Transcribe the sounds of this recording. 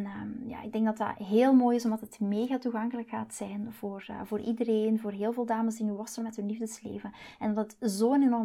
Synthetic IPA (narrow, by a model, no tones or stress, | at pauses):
nja̰ːɪɡ̚dɛŋɡdɑtɑ̰ɦeːlˠmoːjɪsɔmdɑtətmeːɣaːtuɣɑŋkələkxaːtsɛjnv̥oːr̰voːɾʔidəɾeːnvoːrɦeːlˠveːlˠdaːməsdinyʋɑsərmɛtɦɵnlivdəslḛːvənɛndɑtətzoːənenɔr